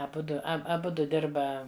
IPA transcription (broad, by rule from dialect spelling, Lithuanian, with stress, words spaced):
ɐˈbʊdʊ ˈɐ ɐˈbʊdʊ ˈdʲɪrbɐ